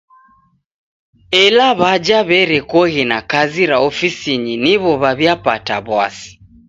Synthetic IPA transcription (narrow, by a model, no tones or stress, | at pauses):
ɛlaβad͡ʒaβɛɾɛkɔɣinakaziɾaɔfisiɲiniβɔβaβjapataβwasi̥